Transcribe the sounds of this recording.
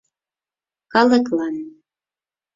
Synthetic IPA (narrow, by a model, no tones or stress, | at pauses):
kɑləklɑn